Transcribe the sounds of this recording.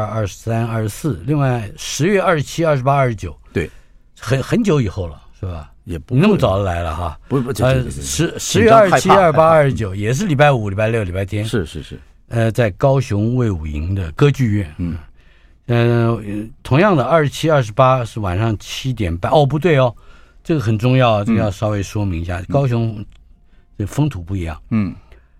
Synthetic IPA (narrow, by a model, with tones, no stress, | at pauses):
ɐ˥˧ʂɻ̩˧sa˥nɐ˞˥˩ʂ̩˧˥sɹ̩˥˩li˥˧ŋwa˥˩ɪʂɻ̩˧˥ɥɛ˥˧ɐ˥˧˩ʂɻ̩˧t͡ɕʰi˥ɐ˞˥˧˩ʂɻ̩˧˥pa˥ɐ˞˥˩ʂɻ̩˥t͡ɕjo˨˩ʊw | xə˧˥nxə˧˥nt͡ɕjo˧˥ʊi˨˩xo˥˩ʊlə˩ʂe˥˩bɐ̰˩ | i˨˩nə˥˩mə˧t͡sɑ˨˩ʊlə˧la˧˥ɪlə̰˧xa˧ | ʂɻ̩˧˥ʂɻ̩˧˥ɥɛ˥˧ɐ˞˥˩ʂt͡ɕʰi˥a˞˧˥˩ʂɻ̩˥pa˥ɐ˥˩ʂɻ̩˥t͡ɕjo˨˦ʊjɛ˨˩ʂ̬ɻ̩˥˩li˨˩pa˥ɪu˨˧˥li˨˩pa˥˧ɪljo˥˩ʊli˨˩pa˥ɪt̪ʰjɛ˥nʂ̩˥˧ɻ̩˥˩˥ | ə˧t͡sa˥˩ɪkɑ˥ʊɕjʊ˧˥ŋwe˥˩ɪu˨˩ḭ˧˥ŋd̪ə˨kɤ˥t͡ɕy˥˧ɥɛ˥˩n | ə˧ | t̪ʰʊ˧˥ŋjɑ˥˩ŋd̪ə˩ɐ˞˥˧˩ʂɻ̩˥˧t͡ɕʰi˥ɐ˞˥˧˩ʂ̬ɻ̩˧˥pa˥ʂɻ̩˥˩wa̰˨˩nʂɑ˥˩ŋt͡ɕʰi˥t̪̬jɛ˨˩npa˥nʔɔ˥˧p̬u˧˥t̪̬we˥˩ɪɔ˧ʈ͡ʂɤ˥˩ɡə˩xə˨˩nʈ͡ʂʊ˥˧ŋjɑ˥˩ʊʈ͡ʂɤ˥˩ɡə˧jɑ˥˩ʊʂɑ˥ʊwe˥˩ɪʂwɔ˥mi˧˥ŋi˧˥ɕja̰˥˩˥kɑ˥ʊɕjʊ˧˥ŋ | ʈ͡ʂə˥˩ɡə˩fɤ˥ŋt̪ʰu˨˩pu˥˩i˧˥jɑ̰˥˩ŋ